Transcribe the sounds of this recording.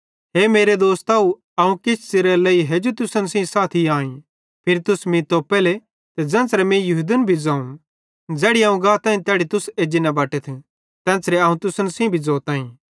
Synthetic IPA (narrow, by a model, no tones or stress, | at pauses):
ɦeːmeːɾed̪oːst̪aːu | ɐũkɪsʰt͡seɾɛlɐiɦed͡ʒot̪ʊsənsĩsaːt̪ʰiaːĩ | pʰɪɾt̪ʊsmĩt̪oːpɛːle | t̪ɛd͡zɛ̃ːsɾɛmɛ̃jɐɦud̪ənbʱid͡zãːũn | d͡zɛːɽiaːũɡãːt̪ãːĩt̪ɛːɽit̪ʊseːd͡ʒinabaːʈɛt̪ʰ | t̪ɛ̃ːt͡sɾɛɐũt̪ʊsənsĩbʱid͡zɔːt̪ãːĩ